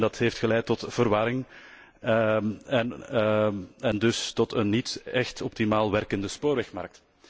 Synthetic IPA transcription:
dɑtɦeːftxəlɛjtːɔtv̥əɾʋɑɾɪŋ | ɛn | ɛndʏstɔtənːitɛxtɔp̚timaːlˠʋɛrkəndəspoːɾʋɛxmɑ̰rk̚t

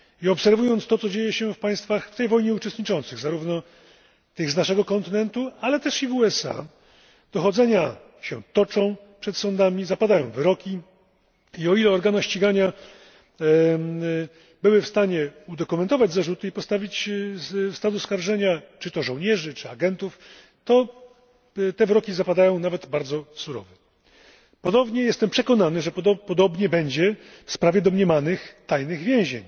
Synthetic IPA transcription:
iɔpsɛɾvujɔnt̪st̪ɔt̪sɔd͡ʑejɛɕɛfpaj̃st̪faxft̪ɛjvɔjɲɛut͡ʂɛst̪ɲit͡ʂɔnt̪sɘɣzaɾuvnɔ | t̪ɘɣznaʂɛɡɔkɔnt̪ɘnɛnt̪ualɛt̪ɛʂivuɛsa̰ | d̪̥ɔxɔd̪zɛɲa | ɕɛ̰t̪ɔt͡ʂɔ̃w̃ | pʂɛt̪sɔ̃nd̪amʲizapad̪ajɔ̃w̃vɘɾɔkʲi | iɔilɛɔɾɡanaɕt͡ɕiɡaɲa | bɘwɘfst̪aɲɛud̪ɔkumɛnt̪ɔvad͡ʑzaʐut̪ɘipɔst̪avʲit͡ɕ | fst̪ad̪uskaɾʐɛɲat͡ʂɘt̪ɔʐɔw̃ɲɛʐɘt͡ʂɘaɡɛnt̪uf | t̪ɔ | t̪ɛvɘɾɔkʲizapad̪ajɔ̃w̃navɛd̪baɾd̪zɔsuɾɔ̰vɛ | pɔd̪ɔbɲɛjɛst̪ɛmpʂɛkɔnanɘʐɛpɔd̪ɔbɲɛbɛɲd͡ʑɛ | fspɾavʲjɛd̪ɔmɲɛmanɘxt̪ajnɘɣvʲjɛ̃w̃ʑeɲ

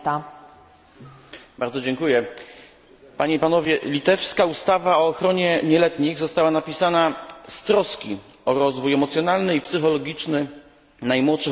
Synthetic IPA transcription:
t̪a | baɾd̪zɔd͡ʑɛŋkujɛ | paɲeipan̪ɔvʲjɛlʲit̪ɛfskaust̪avaɔːxɾɔɲɛɲɛlɛt̪ɲiɣzɔst̪awanapʲisanast̪ɾɔskʲi | ɔɾɔzvujɛmɔt̪sʲjɔnalnɘipsɘxɔlɔɡʲit͡ʂnɘ | najmwɔtʂɘ

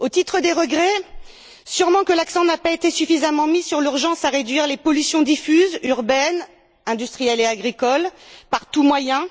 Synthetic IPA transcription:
ot̪it̪χəd̪eʁəɡʁɛ | syʁmɑ̃kəlaksɑ̃napaet̪esyfizamɑ̃misyʁlyʁʒɑ̃saʁed̪ɥiʁlepɔlysjɔ̃d̪ifyzyʁbɛn | ɛ̃d̪yst̪χijɛleaɡʁikɔlpaʁt̪umwajɛ̃

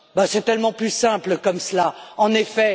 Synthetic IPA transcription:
basɛt̪ɛlmɑ̃plysɛ̃pləkɔmsəlaɑ̃nefɛ

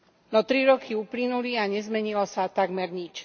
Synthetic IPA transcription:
nɔt̪ɾiɾɔkʰiuplinuliaɲɛzmɛɲilɔsat̪aɡmɛɾɲit͡ʃ

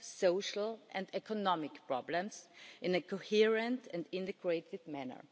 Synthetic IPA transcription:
soʊʃl̩ʔɛ̃ndɛkʰɔnɔmɪkpɹɔblə̃msʔɪ̃nɨkʰohiɹə̃ntɛ̃ndɪ̃ntɨɡɹeɪtɪd̚mænə̰˞

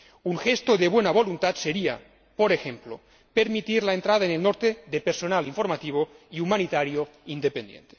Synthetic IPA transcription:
uŋxest̪oðeβwenaβolunt̪at̪seɾia̰ | poɾexe̞mplo | peɾmit̪iɾlaent̪ɾaðaenelnoɾt̪eðepeɾsonaliɱfo̞ɾmat̪iβ̞oiumanit̪aɾjoind̪epend̪jḛnt̪e̥

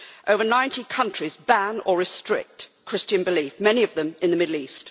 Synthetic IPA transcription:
ʔəʊvə˞nãɪ̃ntʰikʰʌ̃nt͡ʃɹ̥izbæ̃nəɹɨstɹ̥ɪ̰k̚tkʰɹ̥ɪst͡ʃɨ̃nbɪlifmɛniʌvðə̃mɨ̃nðəmɪdl̩ˠiˑst

